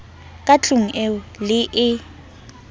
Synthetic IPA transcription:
kʼat͡ɬʼuŋ̩ʔeʊlɪʔɪ

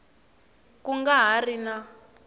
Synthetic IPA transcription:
kuŋɡaɦarina

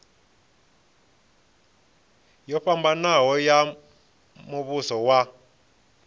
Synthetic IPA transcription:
jɔɸambanaɦɔja | muβusɔwa

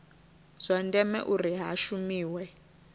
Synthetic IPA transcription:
z̥ʷandɛmɛ̰ʔuriɦaʃumiːwɛ

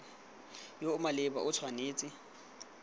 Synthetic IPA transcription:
joʊmalɪba̰ʔʊt͡sʰwaneːt͡sʼɪ

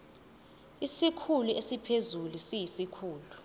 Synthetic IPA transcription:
isikʰuluesipʰezulusijisikʰuːlu

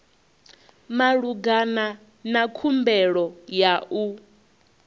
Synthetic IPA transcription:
maɺuɡana | nakʰumbɛɺɔjaʔu

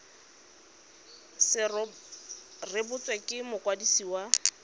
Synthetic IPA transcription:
sɪ | rɪbʊt͡sʼwekʼɪmʊkʼwadisiwa

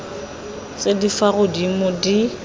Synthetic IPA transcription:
t͡sʼedifaɣʊdimʊdi

